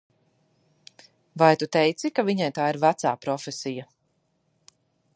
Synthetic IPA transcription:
vajt̪ut̪ɛjt̪sikaviɲajt̪aːiɾvat̪saːpɾɔfesija

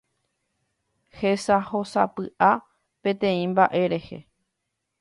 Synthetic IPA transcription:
hesaho̞sa̰pɨʔa | pẽ̞t̪ẽ̞ĩmbaʔe̞ɾe̞hḛ

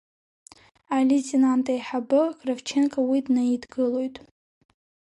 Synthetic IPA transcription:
alʲitʰʼenantʼajħabɨɡʼravt͡ʃʰenkʼawidnaidɡɨlo̞jtʼ

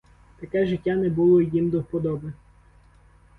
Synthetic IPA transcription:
t̪ɐkɛʒɪtʲːanɛbulˠɔjimd̪ɔwpɔd̪ɔbe

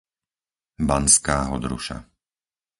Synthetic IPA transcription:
banskaːɦɔd̪ɾṵʃa̰

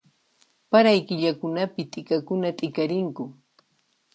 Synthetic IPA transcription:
paɾajkɪʎakʊnapɪt̪ʼɪkakʊnat̪ʼɪkaɾɪŋkʊ

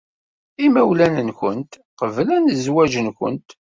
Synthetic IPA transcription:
imæwlænənçənt̪ | qəvlænəzwæʒənkə̰nt̪

